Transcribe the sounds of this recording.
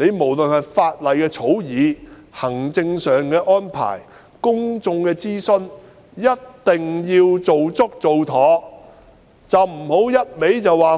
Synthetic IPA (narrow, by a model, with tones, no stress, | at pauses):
ne˨˧jmo˨˩wlɵ˨nhɐ˨jfaː˧t̚lɐ˨jkɛː˧t͡sʰo˨˥wjiː˨˥hɐ˨˩ŋt͡sɪ˧ŋsœː˨ŋkɛː˧ʔɔː˥npʰa̰ː˨˩j | kʊ˥ŋt͡sʊ˧ŋkɛː˧t͡siː˥sɵ˧n | jɐ˥t̚t̪ɪ˨ŋjiː˧wt͡so˨wt͡sʊ˥k̚t͡so˨wt̪ʰɔː˨˧˥ | t͡sɐ˨wm̩˨˩ho˨˥wjɐ˥t̚me˨˥jt͡sɐ˨wːaː˨